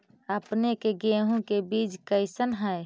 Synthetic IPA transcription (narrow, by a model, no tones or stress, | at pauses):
əpnekeɡeːɦõkebiːd͡ʒkəɪsənɦɛj